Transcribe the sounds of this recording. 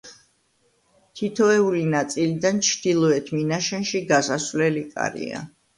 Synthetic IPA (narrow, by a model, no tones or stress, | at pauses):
t̪ʰit̪ʰɔɛulinat̪sʼilid̪ant͡ʃʰd̪̥ilˠɔɛt̪ʰminaʃɛnʃiɡasasvlɛlikʼa̰ɾḭa̰